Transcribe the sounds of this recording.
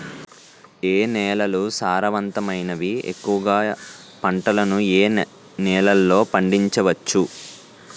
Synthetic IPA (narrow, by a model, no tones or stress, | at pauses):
eːnɛːlɐlusaːɾɐʋɐnt̪ɐmɐjnɐʋiḛkːuʋɐɡaː | pɐɳʈɐlɐnueː | nɛːlɐlːo̞ːpɐɳɖiɲt͡ʃɐʋɐt͡ʃːu